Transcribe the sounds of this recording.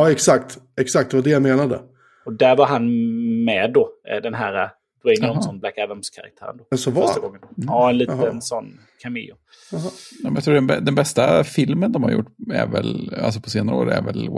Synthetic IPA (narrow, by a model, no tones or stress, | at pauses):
ɑɛksak̚t̪ɛksak̚t̪d̪ɛvad̪ɛjameːnad̪ə̰ | ɔd̪æɾvaɾɦanmɛd̪ːɔd̪ɛnɦæːɾa | d̪̥ɛnɔsɔnblækɛvəmskʰaɾa̰kt̪ʰæ̰ːɾə̰nd̪osɔvaœʂaɡɔŋːənɑɛnliːənsɔnː | kʰamɪ̰ʊ | ɛmɛnjakt̪ʰɾuːɖɛnbɛd̪ɛnbɛst̪afɪlmənd̪ɔmha̰ɾjʊ̰ʈːæ̰ɾvɛ̰la̰ls̬ɔpʰɔseːnaɾəo̰ːɾæ̰ɾvɛ̰l